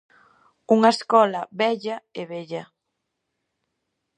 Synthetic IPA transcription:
uŋɐeskɔlɐβɛʎɐeβɛʎɐ

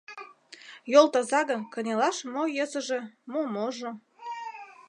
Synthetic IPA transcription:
jolˠt̪ɑzɑɣə̆nkə̆nʲelɑʃmojəzə̆ʒemomoʒo

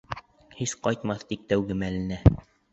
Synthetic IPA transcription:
hisqɑjt̪mɑθt̪ik̚t̪æwɡɘmælɘ̆næ

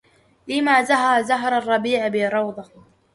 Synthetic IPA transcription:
lɪmaːzaɦɑɾˤzaɦɑɾˤɑrˤːɑbiːʕbɪɾˤɑwd̪ˤɑ

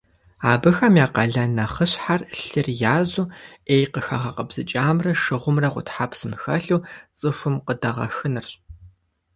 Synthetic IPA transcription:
aːbɨxɐmjaːqɐɮɐnɐχəɕħarɬɨrjaːʑuːeːjqəxɐʁɐqəbz̥ɨt͡ʃʼaːmrɐʂɨʁʷʊmrɐqʷʊ̰tħapʰsɨmxɐɬuwt͡sʼɨxʷʊmqədɐʁɐ̰xɨnɨrɕʼ

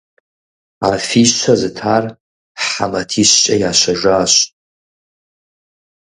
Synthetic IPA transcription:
afiʃt͡ʃʷʰazɨtʰaːr | ħamɐtʰiɕt͡ʃʼɐjaːɕʷɐʒʷaːɕ

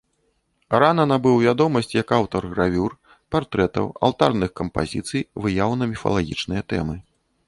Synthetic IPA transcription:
ɾanɐnɐbɨwvʲad̪ɔmɐsʲt͡sʲjɐkawt̪ɐrɣɾavʲur | part̪ɾɛt̪ɐ̰wa̰lˠt̪a̰rnɨxkɐmpa̰zʲit̪sɨjvɨjawnɐmʲifɐ̰lˠaɣʲḭt͡ʂnɨjɐt̪ɛ̰mɨ

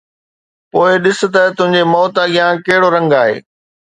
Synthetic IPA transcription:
poːɪɗɪsʊ̆t̪ɐt̪ʊ̃ɦɪ̃ɲd͡ʑemɔːt̪aɡɪjãkɐɦɪɽoɾɐ̃ŋɡaːɦḛː

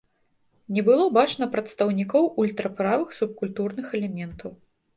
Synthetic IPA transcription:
nʲɛbɨlˠɔbat͡ʂnɐpɾɐt̪st̪ɐwnʲikɔwulʲt̪ɾɐpɾavɨxsup̚kulʲt̪urnɨxɛlʲɛmʲɛnt̪ʰɐw

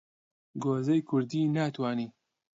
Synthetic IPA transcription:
ɡoːzɐjkʰʊɾd̪iːnaːt̪waːniː

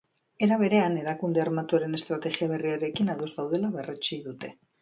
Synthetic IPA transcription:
e̞ɾaβ̞e̞ɾe̞ane̞ɾakund̪e̞aɾmat̪uaɾe̞ne̞st̪ɾat̪e̞ɣiaβe̞riaɾe̞kinaðo̞zðawðe̞laβe̞ret͡ʃiðut̪e̞

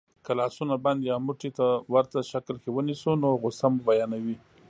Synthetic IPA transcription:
kalɑsunaband̪jɑmuʈit̪awaɾt̪aʃaklkewənisunoɣosamubajɑnawi

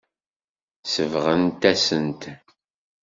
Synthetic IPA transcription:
səvʁənt̪æsənt̪

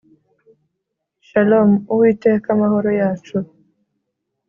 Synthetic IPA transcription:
ʃalomuwiteːkamahoɾojaːt͡ʃu

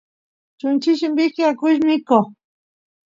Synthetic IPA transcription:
t͡ʃʊnt͡ʃɪʃɪmbɪkɪakʊʃmɪko

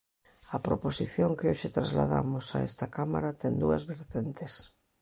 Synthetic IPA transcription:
ɐpɾoposiθjoŋkɪoʃet̪ɾazla̰ða̰mosa̰ɛ̰st̪ɐkama̰ɾat̪ɛŋd̪uɐ̰zβeɾt̪ent̪es

